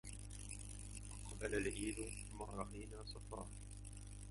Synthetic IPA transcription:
qɑbalalʔiːl | maːɾˤɑʔajnaːsˤɑfɑ̰ːɾ

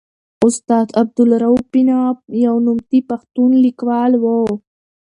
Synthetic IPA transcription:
ʊst̪ɑːd̪ab̚d̪ʊlɾawpinabjawnʊmt̪ipaxt̪unlikwɑːlwo

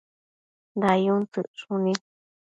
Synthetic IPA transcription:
nd̪ajunt͡sɨʔʂũnĩ

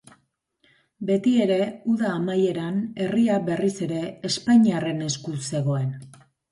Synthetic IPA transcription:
be̞t̪ie̞ɾe̞uðaːmaje̞ɾane̞riaβe̞rise̞ɾe̞ːspaɲiare̞ne̞skuse̞ɣ̞o̞e̞n

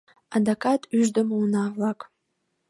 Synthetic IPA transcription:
ad̪akat̪ʰyʒd̪əməunavlak

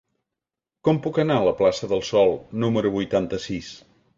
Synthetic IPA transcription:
kɔmpukənaələplasəðəlˠsɔlˠnuməɾuβujt̪ant̪əsis

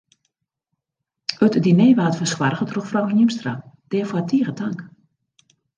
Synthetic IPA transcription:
ətdineːʋaːtfəskwarɣətruxfrɔwnjimstrad̥ɛːfoatʰiəɣətʰaŋk

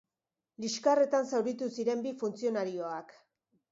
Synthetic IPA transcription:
liʃkare̞t̪ansawɾit̪usiɾe̞mbifunt͡sio̞naɾio̞ak

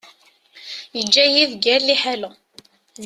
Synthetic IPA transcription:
jəd͡ʒːæjivɡæɾliħalʊ | ð

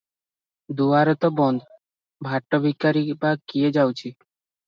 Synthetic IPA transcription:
d̪uaɾɔt̪ɔbɔnd̪ | bʱaʈːɔbʱikːaɾibakied͡ʑawt͡ɕʰi

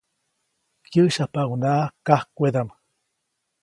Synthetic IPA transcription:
kjəʃapawunaʔkahkʷed̪am

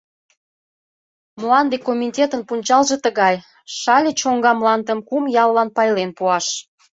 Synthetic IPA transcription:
mlɑnd̪ekomʲitʲet̪ənpunʲt͡ɕɑlʒĕt̪əɣɑj | ʃɑlʲet͡ɕoŋɡɑmlɑnd̪ə̆mkumjɑlːɑnpɑjlenpuɑʃ

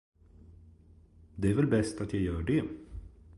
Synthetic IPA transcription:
d̪ɛæɾvɛlbɛst̪at̪ʰjajœːɖɛ

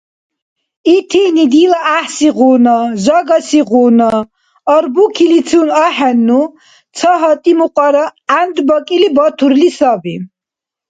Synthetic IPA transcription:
it̪ʰinid̪ilaaħsiʁuːnɔʒɔɡasiʁuːnɔː | ɾbukʰilit͡s̪ʰunaħɛnːu | t͡sʰɔɦɔt̪ʼimuqʼɔɾaand̪bɔkʼilibɔt̪ʰuɾlisabi

